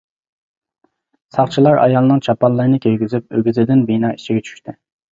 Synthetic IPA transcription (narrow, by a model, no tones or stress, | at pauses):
sɑχt͡ʃʰilˠɑɾɑ̰jɑlˠɨnɨŋt͡ʃʰɑpɑnlˠɨɾnɨkʲʰejɡʲyzyp̚øɡʲyzɪd̪ɪnbinɑːit͡ʃʰiɡʲɛt͡ʃʰy̥ʃt̪ʰɪ